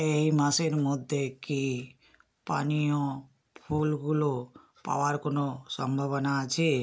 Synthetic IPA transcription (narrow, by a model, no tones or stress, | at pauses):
ejmaseɾmɔd̪ʱːeki | panio | pʰulɡulo | pa̰oaɾkonosɔmbʱaβɔnaːt͡ʃʰe